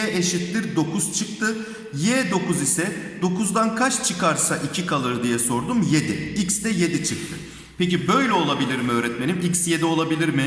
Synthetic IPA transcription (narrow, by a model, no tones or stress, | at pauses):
ɛeʃit̪lʲiɾd̪o̞kuz̥t͡ʃʰɯk̚t̪ʰɯ | jɛːd̪o̞kuzisɛd̪̥o̞kʰuzd̪ankʰat͡ʃt͡ʃʰɯkaɾsaʔicʰikʰalˠɯɾd̪ijɛso̞ɾd̪umje̞d̪iiksd̪ɛje̞d̪it͡ʃʰɯk̚t̪ʰɯ | pʰecibø̞jlʲɛo̞lˠabilʲiɾmiø̞ːɾɛt̪me̞nʲimiksje̞d̪ɛo̞lˠabilʲiɾmɪ